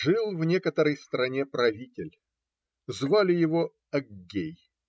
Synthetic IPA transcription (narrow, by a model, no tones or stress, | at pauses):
ʐɨlˠvnʲe̞kət̪əɾəjst̪ɾɐnʲepɾɐvʲitʲɪlʲ | zvalʲɪjɪvo | ɐɡɡʲej